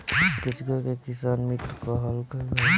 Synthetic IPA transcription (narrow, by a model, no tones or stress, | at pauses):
kit͡ʃʰkɔkekisanmit̪ɾkəɦəlkəɡ